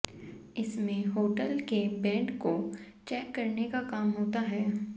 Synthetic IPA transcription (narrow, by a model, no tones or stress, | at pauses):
ɪsmẽɦoːʈəlkebɛ̃ːɳɖko | t͡ʃɛːkːɐɾnekakaːmɦoːt̪aɦɛː